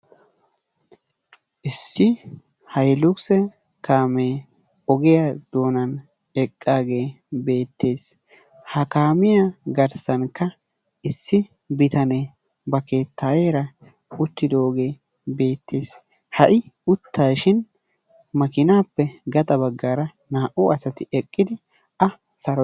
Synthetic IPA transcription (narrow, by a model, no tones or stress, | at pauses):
ʔɪsːɪ | hɐjlʊksɛ | kaːmeː | ɔɡɛjɐd̪̥oːnɐn | ɛkʼːaːɡe̞ː | be̞ːt̪ʰːe̞ːs | hɐkaːmɪjaɡɐɾsɐnkːɐ | ʔɪsːɪ | bɪt̪ɐne | bɐke̞ːt̪ʰːaːjeːɾɐ | ʊt̪ːɪd̪oːɡe̞ː | be̞ːt̪ʰːeːs | hɐʔɪʊt̪ʰːaːʃɪn | mɐkɪnaːpːɛɡɐt̪ʼɐbɐɡːaːɾɐ | naːʔʊɐsɐt̪ɪɛkʼːɪd̪ɪ | ɐ | sɐɾɔ